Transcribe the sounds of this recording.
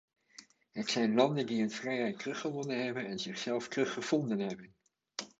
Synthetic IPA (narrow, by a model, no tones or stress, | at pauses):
ɦətsɛjnlɑndəndiɦənvrɛjɦɛjt̚rɵχəʋɔnənɦɛbənɛnzɪχsɛlˠftrɵχəv̥ɔndənɦɛbən